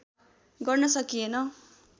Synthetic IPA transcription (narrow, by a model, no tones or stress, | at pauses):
ɡʌrnʌsʌkienʌ